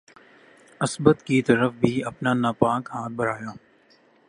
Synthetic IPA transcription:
əsbət̪kiːt̪əɾəfbʱiːɐpnaːnaːpaːkɦaːt̪̚bəɾaːjaː

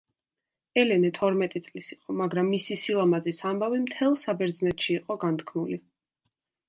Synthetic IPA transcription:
ɛlɛnɛt̪ʰɔɾmɛt̪ʼit̪sʼlisiqʼɔmaɡɾamːisisilˠamazisambavimt̪ʰɛlˠsabɛɾd̪znɛt̪ʃiːqʼɔɡant̪kʰnuli

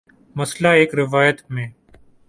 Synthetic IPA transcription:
mɐslaːeːkɾɪʋaːjət̪mẽː

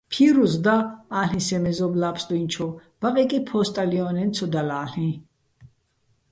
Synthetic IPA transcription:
pʰiɾuzd̪aaːɬĩsɛmɛzɔblapʰsd̪uint͡ʃʰɔb̥aqʼɛkʼipʰɔst̪ʼaliɔnɛnt̪sʰɔd̪alaːɬĩ

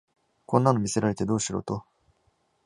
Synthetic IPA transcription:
kõnːano̞mʲise̞ɾaɾe̞t̪e̞d̪o̞ːɕiɾo̞̰ːt̪o̞

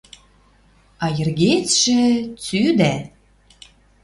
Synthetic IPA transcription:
ɑjɘ̆rɣet͡sʃĕt͡syd̪æ

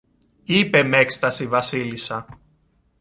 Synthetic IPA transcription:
ipe̞mekst̪ɐsivɐsilisɐ

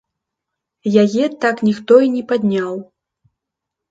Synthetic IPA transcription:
jajɛt̪aknʲixt̪ɔinʲɛpad̪ʲnʲaw

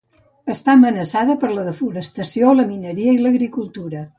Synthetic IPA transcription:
əst̪amənəsaðəpəɾləðəfuɾəst̪əsioləminəɾiəiləɣɾikulˠt̪uɾə

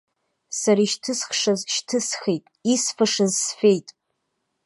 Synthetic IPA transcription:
saɾaiʃtʰɨsχʂazʃtʰɨsχejtʼisfaʂazsfe̞jtʼ

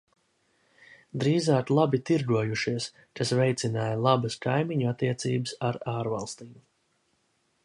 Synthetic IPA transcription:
d̪ɾiːzaːklˠabit̪iɾɡuɔjuʃiɛs | kasvɛjt̪sʲinaːjalˠabɐskajmiɲuat̪ːiɛt̪siːbəsaɾaːɾvalˠst̪iːm

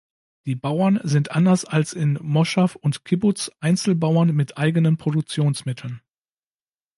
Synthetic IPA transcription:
d̥iːbaʊɐnzɪntʔandɐsalsɪnmɔʃafʊntkʰɪbʊsʔaɪnt͡sl̩baʊɐnmɪtʰʔaɪɡənənpʁ̥odʊk̚t͡sjoːnsmɪtʰl̩n

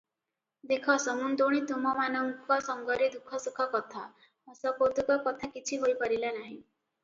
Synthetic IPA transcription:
d̪ekʰɔsɔmund̪oɽ̃it̪umɔmanɔŋkɔsɔŋɡɔɾed̪ukʰɔsukʰɔkɔt̪ʰa̰ | ɔsɔpot̪ukɔkɔt̪ʰakit͡ʃʰiɦojpɔɾilanaɦĩ

